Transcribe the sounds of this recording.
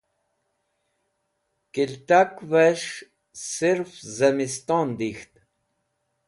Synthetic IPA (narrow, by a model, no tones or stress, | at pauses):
kilt̪akveʂ | siɾfzɐmist̪ɔːnd̪ixt̪